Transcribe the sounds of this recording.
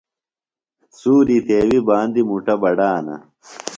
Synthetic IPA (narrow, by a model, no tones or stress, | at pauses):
suːɾit̪eːwibaːnd̪imuʈɐbɐɖaːnɐ̰